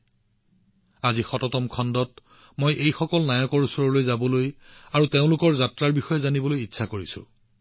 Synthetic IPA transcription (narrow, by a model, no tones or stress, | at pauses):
azixɔtɔtɔmkʰɔndɔt | mojʔejxɔkɔlnajɔkɔɹusɔɹɔlojzabɔlojaɹuteʊ̃lʊkɔɹzatɹaɹbixɔjɛzanibɔlojitːsʰakoɹisʊ̰̃